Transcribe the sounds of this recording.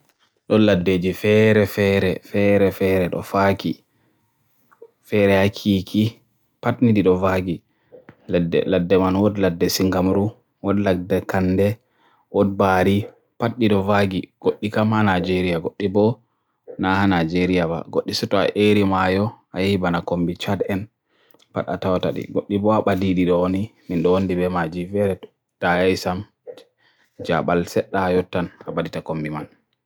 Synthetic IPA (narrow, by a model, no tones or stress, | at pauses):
ɗɔladːed͡ʒifɛɾɛfɛɾɛfɛɾɛfɛɾɛɗɔ̰faki | fɛɾɛhakʰiːkʰi | patnidiɗɔvaɡi | lɛdɛ̰ladːɛmanwɔdladːɛsiŋɡamɾu | wɔdladɛkandɛ | wɔd̚baɾi | patɗiɗɔvaɡiɡ̥oɗːikamanajd͡ʒeɾijaɡoɗːibɔ | nahanad͡ʒeɾijaba̰ɡoɗːisɛtɔa̰ʔeɾimajɔʔajahibanakombit͡ʃadɛn | paɗa̰tawtaɗḭɡoɗːibɔaɓadiɗiɗɔwoniminɗɔwondibɛmad͡ʒivɛɾɛt | tajajsam | d͡ʒa̰ɓalsɛɗːaːjɔtːanabaditakombiman